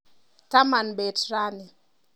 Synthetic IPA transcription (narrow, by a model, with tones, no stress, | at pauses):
ta˦ma˨nbe˨tra˦ni˨